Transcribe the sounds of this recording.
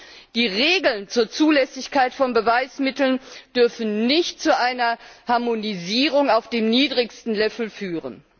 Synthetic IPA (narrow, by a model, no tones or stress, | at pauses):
d̥iːʁeːɡl̩nt͡suːɐt͡suːlɛsɪçkaɪtfɔnbəvaɪsmɪtl̩nd̥ʏɐfn̩nɪçtt͡suʔaɪnɐhaɐmoniziːʁʊŋaʊfd̥eːmniːdʁɪçstn̩lɛfl̩fyːʁə̰n